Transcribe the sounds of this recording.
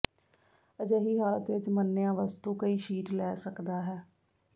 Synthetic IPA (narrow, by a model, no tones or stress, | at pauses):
əd͡ʒeːɦiːɦaːlət̪ʋɪt͡ʃmənːejãːʋəst̪uːkəiːʃiːʈlɛːsəkd̪aːɦɛː